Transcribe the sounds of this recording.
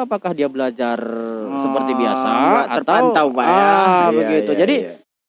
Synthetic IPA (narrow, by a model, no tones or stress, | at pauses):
apakahdiabəlad͡ʒarsəpərt̪ibia̰sawaat̪ərt̪aant̪awbaabəɡit̪ud͡ʒadi